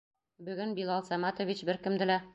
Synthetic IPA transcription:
bɵ̆ɡɘnbilˠɑlˠsæmɑt̪ŏvʲit͡ɕbɘɾkɘ̆md̪ɘ̆læ

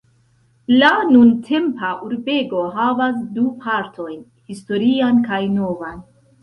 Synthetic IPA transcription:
lanuntʰe̞mpaʔuɾbe̞ɡo̞ɦavas̬dupʰaɾtʰo̞jn | histo̞ɾiankajno̞van

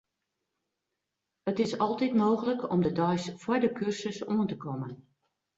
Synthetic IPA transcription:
ətɪsɔlˠtitmoːɣələkɔ̰mdədɔjsfwɔjdəkʰʏrsəsuəntəkɔmən

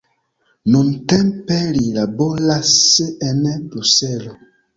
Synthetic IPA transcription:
nuntɛmpelilabɔlaseɛnɛbɾusɛlo

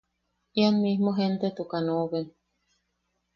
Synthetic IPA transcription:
ianmihmoɦent̪et̪ukanoβen

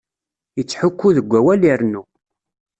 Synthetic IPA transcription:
jət͡sːħukːuðəɡʷːæwæliɾnu

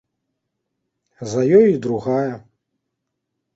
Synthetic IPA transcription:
zɐjɔjid̪ɾuɣajɐ

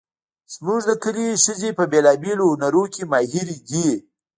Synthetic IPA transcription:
z̥muʐd̪əkəleʃəzepəbeːlɑbelohʊnaɾokʲemɑːɦiɾiɡi

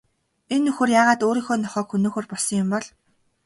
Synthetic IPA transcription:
enːɵxɵ̆ːrjaːʁaːt̪oːɾiːŋxoːnɔχɔːkxunoːxoːrpɔɮsɞ̆ŋjʊmpɔɮ

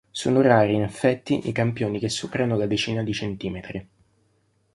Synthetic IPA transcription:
so̰ːnoraːɾiːnefːɛt̪ːiʔikampjoːnikesːupeɾanod̪ad̪et͡ʃiːnad̪it͡ʃent̪iːmet̪ɾi

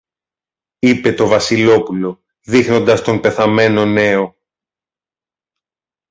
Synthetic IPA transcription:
ipe̞t̪o̞vɐsilo̞pulo̞ | ðixno̞nd̪ɐst̪o̞mpe̞θɐme̞no̞ne̞o̞

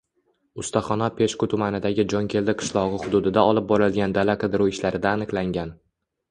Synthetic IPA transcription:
ʊst̪aχɒnɒpʰe̞ʃkʊt̪ʰʊmanɪd̪aɡʲɪd͡ʒɒŋkʲʰe̞ld̪ɪqʰɨ̥ʃlˠɒʁɨχʊd̪ʊd̪ɪd̪aɒlˠɪp̚bɒɾalɡʲand̪alaqʰɨd̪ɪɾowɪʃlaɾɪd̪aːnɨqlˠaŋɡʲan

